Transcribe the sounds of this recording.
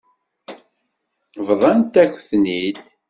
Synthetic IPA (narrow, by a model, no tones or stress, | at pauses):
vðˤɑnt̪æçθnid̪